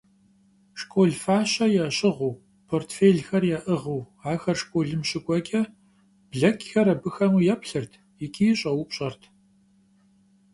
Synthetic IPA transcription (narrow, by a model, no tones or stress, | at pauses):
ʂkʼoːɮfaːɕɐjaɕʼɪʁuː | pʰoːrtʰfeːɮxɐrjaːʔɨʁɨw | aːxɐrʂkʷʼoːɮɨmɕɪkʷʼɔɡʲʼɐ | b̥ɮɐkʲʰʼxɐɾɐbɨxɐmuːjɛpɬɨrtʰ | jɪkʲʰʼiːɕʼɐwupɕʼɐrtʰ